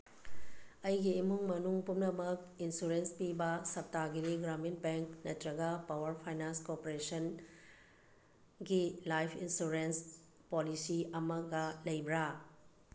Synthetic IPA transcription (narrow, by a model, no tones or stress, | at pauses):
ɐjɡiːmuŋmɐnuŋpumnɐmɐk̚ | insuɾenspibɐsɐp̚taɡiɾiɡɾaminbeŋknɐtɾɐɡɐpawɐɾpʰajnanskopoɾesɐn | ɡilajpʰinsuɾens | polisiɐmɐɡɐlɐjbɾa